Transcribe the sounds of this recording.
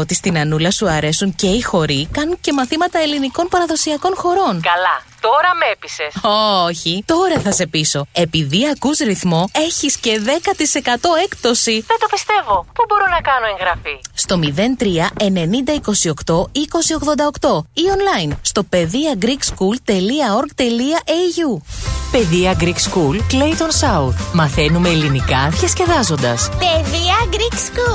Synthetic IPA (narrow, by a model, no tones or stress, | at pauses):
ot̪ist̪inɐnulɐsuɐɾe̞suɲce̞ixo̞ɾikɐnunce̞mɐθimɐt̪ɐe̞liniko̞npɐɾɐðo̞siɐko̞nxo̞ɾo̞nkɐlɐt̪o̞ɾɐme̞pisesooçit̪o̞ɾɐθɐse̞piso̞e̞piðiɐkuzɾiθmo̞e̞çisce̞ðe̞kɐt̪ise̞kɐt̪o̞e̞kt̪o̞siðed̪opist̪e̞vo̞pubo̞ɾonɐkɐno̞eŋɣɾɐfist̪o̞miðe̞nt̪ɾiɐe̞ne̞nind̪ɐiko̞sio̞kt̪o̞iko̞sio̞ɣðo̞nd̪ɐo̞kt̪o̞io̞nlɐjnst̪o̞pe̞ðiɐɡɾikskult̪e̞liɐo̞ɾɡt̪e̞liɐʔeʝupe̞ðiɐɡɾikskulkle̞jt̪o̞nsɐuθmɐθe̞nume̞ːlinikɐðçɐsce̞ðɐzo̞nd̪ɐspeðiɐɡɾiksku